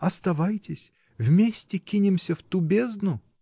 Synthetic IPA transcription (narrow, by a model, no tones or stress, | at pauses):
ɐst̪ɐvajtʲɪsʲ | vʲmʲesʲtʲɪkʲinʲɪmsʲəft̪ubʲeznʊ